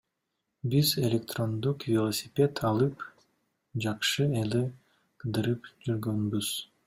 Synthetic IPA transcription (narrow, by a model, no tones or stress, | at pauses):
bize̞lʲek̚t̪ro̞nd̪uqvʲelˠosʲipʲe̞t̪ʰɑlˠɯp | d͡ʒɑqʃɯeli | qʰɯd̪ɯɾɯpd͡ʒyɾɡønbyz̥